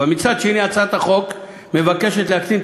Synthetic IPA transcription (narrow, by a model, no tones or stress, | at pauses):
amit͡sad̪ʃeniat͡sat̪aχo̞k | me̞vake̞ʃet̪leakt͡sim